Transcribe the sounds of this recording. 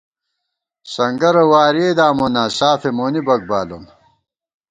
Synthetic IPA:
sɐŋɡɐɾɐwaːɾeːd̪aːmonaːsaːfemoːnibɐk̚baːlon

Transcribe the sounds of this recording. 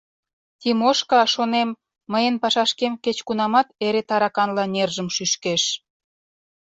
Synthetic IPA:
t̪ʲimoʃkɑʃonemː | əjənpɑʃɑʃkemket͡ɕkunɑmɑt̪eɾet̪ɑɾɑkɑnlɑnerʒəmʃyʃkeʃ

